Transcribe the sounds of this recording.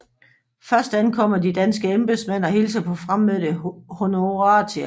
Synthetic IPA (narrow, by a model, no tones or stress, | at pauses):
fɶɐsd̥ænkʰɒ̽m̰ɐdid̥ænsɡ̥əemb̥esmæn̰ɒ̽hilsɐpʰɒ̽fʁam̰ːeðd̥eho̝noʁɑt͡sʰe̝